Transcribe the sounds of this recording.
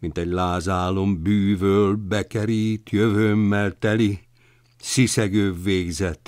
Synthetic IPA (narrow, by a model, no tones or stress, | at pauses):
mint̪ɛɟlaːzaːlo̞mbyːvøːlbɛkɛɾiːt̪jøvøːmːɛlt̪ɛli | sisɛɡøːvːeːɡzɛt̪